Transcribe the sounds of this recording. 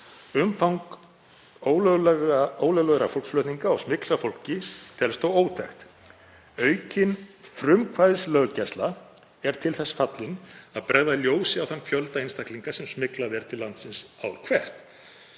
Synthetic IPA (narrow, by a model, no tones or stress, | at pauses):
ʏmfawŋk | oːwlœɣlɛɣoːwlœɣlœɣɾa̰fowlsflœɥt̪niŋkaɔɣsmɪklafowl̥cɪt̪ʰɛlst̪owoːwt̪ʰɛxt̪ | œːɥcɪnfɾʏmkʰvajðɪslœɣcɛst̪la | ɛɾ̥t̪ʰɪlθɛsːfat̪lɪnaðpɾɛjðaljoːwsɪawθanfjœlt̪aɪnst̪akliŋkasɛmsmɪklaðɛɾ̥t̪ʰɪlːant̪sɪnsawɾkʰvɛr̥t̪